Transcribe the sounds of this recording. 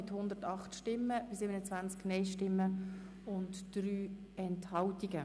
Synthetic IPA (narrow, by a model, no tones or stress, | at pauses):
ɪthʊnd̪ətɑχtʃtɪmːəbɪsɪːbənət͡svænt͡sknɛɪʃtɪmːə | ʊntd̥ryː | ɛnthɑltiɡə